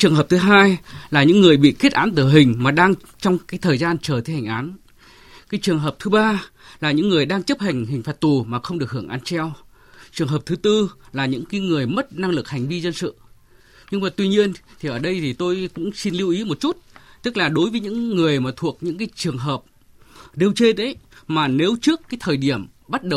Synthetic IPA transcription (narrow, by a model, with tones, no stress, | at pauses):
t͡ɕɨ˨˩əŋɦəː˨˩p̚t̪ʰɦaː˧jlaː˨˩ɲɨ̰˧˥ŋːɨ˨˩əjɓḭ˧˨ki˦˥ət̚ʔaː˨˦nt̪ɨ˧˩ɦï˨˩ŋ̟maː˨˩ɗaː˧ŋ | t͡ɕɔ˧wŋ͡mkaː˨˦jt̪ʰəː˨˩jzaː˧nt͡ɕəː˨˩t̪ʰe˧ha˨˩ŋ̟ʔaː˨˦n | kaː˨˦jt͡ɕɨ˨˩əŋɦəː˨˩p̚t̪ʰɨ˨˦ɓaː˧ | laː˨˩ɲɨ̰˧˥ŋːɨ˨˩əjɗaː˧ŋt͡ɕə˦˥p̚ha˨˩jŋ̟ɦï̟˨˩faː˨˩t̚t̪u˨˩maː˨˩xə˧wŋ͡mɗɨ˨˩ək̚hɨ˧˩əŋʔaː˨˧˦nt͡ɕɛ˧w | t͡ɕɨ˨˩əŋɦəː˨˩p̚t̪ʰɨ˨˦t̪ɨ˧laː˨˩ɲɨ̰˧˥ŋkaː˨˦jŋɨ˨˩əjmə˦˥t̚na˧ŋlɨ˨˩k̚ha˨˩ŋ̟vi˧zə˧nsɨ̰˧˨ | ɲɨ˧ŋmaː˨˩t̪wi˧ɲi˧ənt̪ʰi˨˩ʔəː˧˩ɗə˧jt̪ʰi˨˩t̪o˧jkʊ̰˧˥ŋ͡msi˧nli˧wʔi˨˦mo˨˩t̚t͡ɕu˦˥t̚t̪ɨ˦˥k̚laː˨˩ɗo˨˦jvəː˨˦jɲɨ̰˧˥ŋːɨ˨˩əjmaː˨˩t̪ʰu˨˩ək̚ɲɨ̰˧˥ŋkaː˨˦jt͡ɕɨ˨˩əŋɦəː˨˩p̚ | ɗe˧˩wt͡ɕe˧nɗe˨˦jmaː˨˩ne˨˦wt͡ɕɨ˦˥əkːaː˨˦jt̪ʰəː˨˩jɗi˧˩əm | ɓa˦˥t̚ɗə˨w